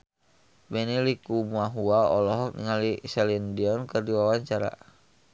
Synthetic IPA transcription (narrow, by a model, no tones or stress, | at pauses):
bɛnilikumaɦuaɔlɔɦɔnḭŋalisɛlindiɔnkɨrdiwawaɲt͡ʃaɾa̰